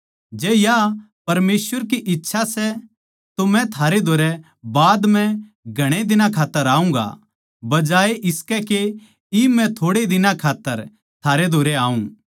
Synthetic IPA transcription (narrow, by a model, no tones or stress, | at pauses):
d͡ʒɛːja | pɐɾmeːsʋəɾk̬iʔɪtːʃʰasɛ | t̪omɛ̃t̪ʰaːɾed̪ʱoːɾɛ | baːd̪mɛ̃ | ɡʱɐɽ̃ed̪ɪnãkʰaːt̪ːəɾaːũŋ̆ɡa̰ | bɐd͡ʒaːeʔɪskɛke | imɛ̃t̪ʰoːɽed̪ɪnãkʰaːt̪ːəɾ | t̪ʰaːɾed̪ʱoːɾɛaːũː